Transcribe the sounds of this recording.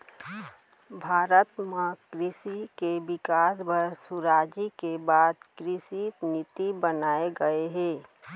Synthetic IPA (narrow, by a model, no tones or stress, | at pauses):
bʱaːɾət̪məkɾɪsikebɪkaːsbəɾsʊɾaːd͡ʒikebaːd̪kɾɪsinɪt̪ibənaːeɡəeɦɛ̃ː